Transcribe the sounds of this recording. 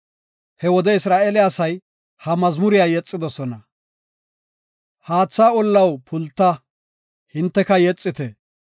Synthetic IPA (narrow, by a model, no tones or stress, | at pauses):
hɛwɔd̪ɛɪsɾaːʔɛlɪjasɐj | hɐmɐzmʊɾɪjaːjɛt͡sʼːɪd̪ɔsɔnɐ | haːt͡sːaːɔlːɐwpʰʊlt̪ːɐ | hɪnt̪ːɛkɐjɛt͡sʼːɪt̪ɛ